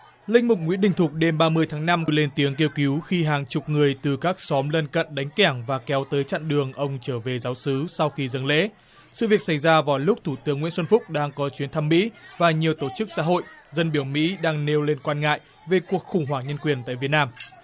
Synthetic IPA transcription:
lï˧ŋ̟mʊ˨˩k͡p̚ŋwḭ˧˥əɗï˧˩ŋ̟t̪ʰʊ˨˩k͡p̚ɗe˧mɓaː˧mɨ˧əjt̪ʰaː˨˦ŋna˧m˧le˧nt̪i˨˦əŋki˧əwki˨˦wxi˧ɦaː˨˩ŋt͡ɕʊ˨˩k͡p̚ŋɨ˨˩əjt̪ɨ˨˩kaː˦˥k̚sɔ˨˦mlə˧nkə̰˧˨nɗa˨˦jŋ̟kɛ˧˩ŋvaː˨˩kɛ˨˦wt̪əː˨˦jt͡ɕa̰˧˨nɗɨ˨˩əŋʔə˧wŋ͡mt͡ɕəː˧˩ve˨˩zaː˨˦wsɨ˨˦sa˧wxi˧zə˧˩nlḛ˧˥ | sɨ̰˧˨vi˨˩ək̚sa˧˩jzaː˧vaː˨˩wlʊ˦˥k͡p̚t̪ʰu˧˩t̪ɨ˨˦əŋwḭ˧˥nsə˧nfʊ˦˥k͡p̚ɗaː˧ŋkɔ˨˦t͡ɕwi˨˦ənt̪ʰa˧mːḭ˧˥vaː˨˩ɲi˨˩əwt̪o˧˩t͡ɕɨ˦˥k̚sa̰ː˧˥ɦo̰˧˨jzə˧nɓi˧˩əwmḭ˧˥ɗaː˧ŋne˧wle˧nkwaː˧nŋa̰ː˧˨j | ve˨˩ku˨˩ək̚xʊ˧˩ŋ͡mɦwaː˧˩ŋɲə˧nkwi˨˩ənt̪a̰ː˧˨jvi˨˩ət̚naː˧m

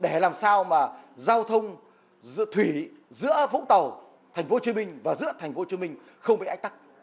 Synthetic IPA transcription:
ɗe˧˩laː˨˩msaː˧wmaː˨˩zaː˧wt̪ʰə˧wŋ͡m | zt̪ʰwi˧˩˦ | zɨ̰˧˥əvṵ˧˥t̪ə˨˩w | t̪ʰɛ˨˩ŋ̟fo˨˦t͡ɕi˧mï˧ŋ̟vaː˨˩zɨ̰˧˥ət̪ʰɛ˨˩ŋ̟fo˨˦t͡ɕi˧əmï˧ŋ̟ | xə˧wmɓiː˨˩a˦˥k̚t̪a˦˥k̚

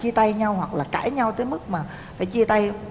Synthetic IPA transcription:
t͡ɕi˧t̪a˧jɲa˧whwa˨˩k̚laː˨˩ka̰ː˧˩jɲa˧wt̪əː˨˦jmɨ˦˥k̚maː˨˩ | faː˧˩jt͡ɕi˧t̪a˧j

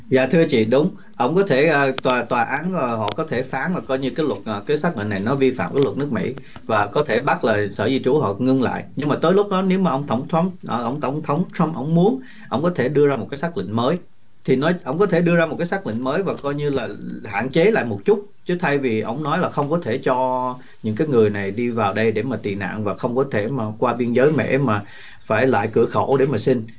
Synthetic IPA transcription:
zaː˨t̪ʰɨ˧ət͡ɕḭ˧˨ɗʊ˨˦wŋ͡m | ʔə̰˧˩wŋ͡mkɔ˨˦t̪ʰe˧˩ʔəː˨˧˩t̪waː˨˩t̪waː˨˩ʔaː˨˦nː˨˩hɔ̰˧˨kɔ˨˦t̪ʰe˧˩faː˨˦nvaː˨˩kɔ˧jɲɨ˧kaː˨˦jlwə˨˩t̚ʔːkaː˨˦jsaː˦˥k̚lḭ˧˨na˨˩jnɔ˨˦vi˧fa̰ː˧˨mkaː˨˦jlə˨˩t̚nɨ˦˥k̚mḭ˧˥ | vaː˨˩kɔ˨˦t̪ʰe˧˩ɓa˦˥t̚laː˨˩sə̰ː˧˩zi˧t͡ɕu˨˦ɦɔ̰˧˨ŋɨ˧ŋla̰ː˧˨jʔɲɨ˧ŋmaː˨˩t̪oː˨˦jlʊ˦˥k͡p̚ɗɔ˨˦ne˨˦wmaː˨˩ʔə˧wŋ͡mt̪ʰə˧˩wŋ͡mt̪ʰwa˦mʔʔə˧wŋ͡mt̪ə˧˩wŋ͡mt̪ʰə˨˦wŋ͡mt̪ʰɹa˧˥mʔə̰˧˩wŋ͡mmu˨˦ən | ʔə˧wŋ͡mkɔ˨˦t̪ʰe˧˩ɗɨ˧əzaː˧o˨˩kaː˨˦saː˦˥k̚lḭ˧˨ŋ̟məː˨˦j | t̪ʰi˨˩nɔ˨˦jʔə˧˩wŋ͡mkɔ˨˦t̪ʰe˧˩ɗɨ˧əzaː˧mo˨˩t̚kaː˨˦jsa˦˥k̚lḭ˧˨ŋ̟məː˨˦jvaː˨˩kɔ˧jɲɨ˧laː˨˩ha̰ː˧˨nt͡ɕe˨˦la̰ː˧˨jmo˨˩t̚t͡ɕʊ˦˥t̚t͡ɕɨ˨˦t̪ʰa˧jvi˨˩ʔə̰˧˩wŋ͡mnɔ˨˦jlaː˨˩xə˧wŋ͡mkɔ˨˦t̪ʰe˧˩t͡ɕɔ˧ | ɲɨ̰˧˥ŋkaː˨˦jŋɨ˨˩əjna˨˩jɗi˧vaː˨˩wɗə˧jɗe˧˩maː˨˩t̪i˨˩na̰ː˧˨ŋvaː˨˩xə˧wŋ͡mkɔ˨˦t̪ʰe˧˩maː˨˩kwaː˧ɓi˧ənzəː˨˦jmɛ̰˧˥maː˨˩ | faː˧˩jla̰ː˧˨jkɨ˧˩əxo̰˧˩ɗe˧˩maː˨˩sï˧ŋ

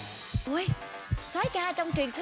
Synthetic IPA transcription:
ʔu˧j | swaː˨˦jkaː˧t͡ɕɔ˧wŋ͡mt͡ɕwi˨˩ənt̪ʰ

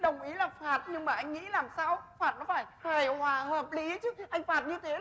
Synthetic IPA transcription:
ɗə˨˩wŋ͡mʔi˨˦laː˨˩faː˨˩t̚ɲɨ˧ŋmaː˨˩ʔa˧jŋ̟ŋḭ˧˥laː˨˩msaː˧wfaː˨˩t̚nɔ˨˦faː˧˩jhaː˨˩jhwaː˨˩həː˨˩p̚li˨˦t͡ɕɨ˨˦˥ʔa˧jŋ̟faː˨˩t̚ɲɨ˧t̪ʰe˨˦

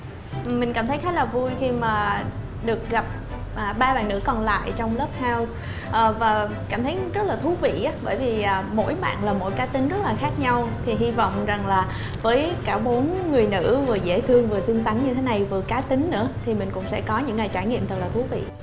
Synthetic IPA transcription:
ʔmï˨˩ŋ̟kaː˧˩mt̪ʰə˨˦jxa˨˦˥laː˨˩vu˧jxi˧maː˨˩ | ɗɨ˨˩ək̚ɣa˨˩p̚ | ʔa˨˩ɓaː˧ɓa̰ː˧˨nːɨ̰˧˥kɔ˨˩nla̰ː˧˨jt͡ɕɔ˧wŋ͡mləː˦˥p̚haː˧ws | ʔəː˨˩vaː˨˩ | kaː˧˩mt̪ʰə˨˦jzə˦˥t̚laː˨˩t̪ʰu˨˦vḭ˧˨ʔaː˨˦ɓəː˧˩jvi˨˩ʔaː˨˩mo̰˧˥jɓa̰ː˧˨nlaː˨˩mo̰˧˥jkaː˨˦t̪ï˨˦ŋ̟zə˦˥t̚laː˨˩xaː˦˥k̚ɲa˧wt̪ʰi˨˩ɦi˧vɔ̰˧˨wŋ͡mza˨˩ŋlaː˨˩ | vəː˨˦jkaː˧˩ɓo˨˦ənŋɨ˨˩əjnɨ̰˧˥vɨ˨˩əzḛ˧˩t̪ʰɨ˧əŋvɨ˨˩əsɨ˧əŋsa˨˦ŋɲɨ˧e˨˦na˨˩jvɨ˨˩əkaː˨˦t̪ï˨˦ŋ̟nɨ̰˧˥ət̪ʰi˨˩mï˨˩ŋ̟kʊ̰˧˥ŋ͡msɛ̰˧˥kɔ˨˦ɲɨ̰˧˥ŋːaː˨˩jt͡ɕaː˧˩jŋḭ˧˨mt̪ʰɨ˨˩k̚laː˨˩t̪ʰu˨˦vḭ˧˨

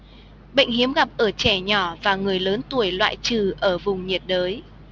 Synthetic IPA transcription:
ɓə̰˧˨jŋ̟hi˨˦əmɣa˨˩p̚ʔəː˧˩t͡ɕɛ˧˩ɲɔ˧˩vaː˨˩ŋɨ˨˩əjləː˨˦nt̪u˧˩əjlwa̰ː˧˨jt͡ɕɨ˨˩ʔəː˧˩vʊ˨˩ŋ͡mɲi˨˩ət̚ɗəː˨˦j

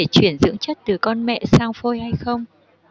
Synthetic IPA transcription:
e˧˩t͡ɕwi˧˩ənzɨ̰˧˥əŋt͡ɕə˦˥t̚t̪ɨ˨˩kɔ˧nmɛ̰˧˨saː˧ŋfo˧jha˧jxə˧wŋ͡m

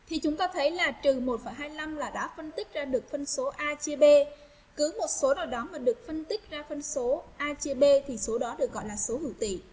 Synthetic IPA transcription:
t̪ʰi˨˩t͡ɕʊ˨˦ŋ͡mt̪aː˧t̪ʰə˨˦jlaː˨˩t͡ɕɨ˨˩mo˨˩t̚fə˨˩jɦaː˧jla˧mlaː˨˩ɗa̰ː˧˥fə˧nt̪ï˦˥k̚zaː˧ɗɨ˨˩ək̚fə˧nso˨˦ʔaː˧t͡ɕe˧ɓe˧ | kɨ˨˦mo˨˩t̚so˨˦naː˨˩wɗɔ˨˦maː˨˩ɗɨ˨˩ək̚fə˧nt̪ï˦˥k̚zaː˧fə˧nso˨˦ʔaː˧t͡ɕe˧ɓe˧t̪ʰi˨˩so˨˦ɗɔ˨˦ɗɨ˨˩ək̚ɣɔ̰˧˨jlaː˨˩so˨˦hɨ̰˧˩wt̪ḭ˧˨

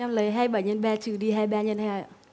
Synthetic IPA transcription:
a˧mlə˨˦jɦaː˧jɓə˧˩jɲə˧˩nɓaː˧t͡ɕɨ˧˩ɗi˧ɦaː˧jɓaː˧ɲə˧nhaː˧˩˨

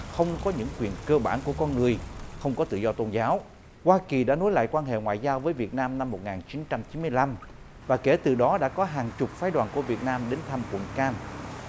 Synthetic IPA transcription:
xə˧wŋ͡mkɔ˨˦ɲɨ̰˧˥ŋkwḭ˨˩ənkəː˧ɓaː˧˩nku˧˩əkɔ˧nŋɨ˨˩əjxə˧wŋ͡mkɔ˨˦t̪ɨ̰˧˨zɔ˧t̪o˧nzaː˨˦w | hwaː˧ki˨˩ɗa̰ː˧˥no˨˦jla̰ː˧˨jkwaː˧nɦḛ˧˨ŋwa̰ː˧˨jzaː˧wvəː˨˦jvi˨˩ət̚naː˧mna˧mːo˨˩t̚ŋaː˨˩nt͡ɕi˨˦nt͡ɕa˧mt͡ɕi˨˦nmɨ˧əjla˧m | vaː˨˩ke˧˩t̪ɨ˨˩ɗɔ˨˦ɗa̰ː˧˥kɔ˨˦ɦaː˨˩nt͡ɕʊ˨˩p̚faː˨˦jɗwaː˨˩nku˧˩əvi˨˩ət̚naː˧mɗe˨˦nt̪ʰa˧mkwə̰˧˨˩nkaː˧n

